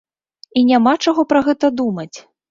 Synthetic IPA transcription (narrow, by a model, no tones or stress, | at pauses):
inʲamat͡ʂaɣɔpɾɐɣɛt̪ɐd̪umɐt͡sʲ